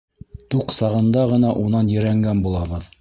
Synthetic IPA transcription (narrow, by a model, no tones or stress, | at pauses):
t̪uqsɑʁɤ̆nd̪ɑʁɤ̆nɑʔunɑnjɘ̆ɾæŋɡænbulˠɑβɤð